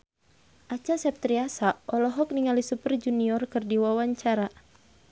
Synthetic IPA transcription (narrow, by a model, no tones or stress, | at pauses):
ʔat͡ʃasɛp̚t̪ɾiasaʔɔlɔɦɔk̚niŋalisupərd͡ʒuniɔrkɨrdiwawaɲt͡ʃaɾa